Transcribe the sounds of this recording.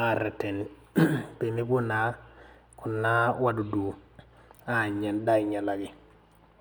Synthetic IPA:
a˨ɾɛ˨tɛ˨n | pe˨mi˦bu˦na˨ | kʊ˨nːa˦wa˦du˨du˨ | a˨ɲa˨nda˦i˨ɲa˨la˨ɡɪ˨

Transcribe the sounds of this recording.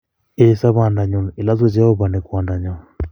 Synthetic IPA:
e˨˦sa˦βa˨nda˨ɲɔ˨nɪ˨la˦zo˦d͡ʒɛ˦ɔ˦ba˨nɛ˨kwa˨nda˨ɲɔ˨n

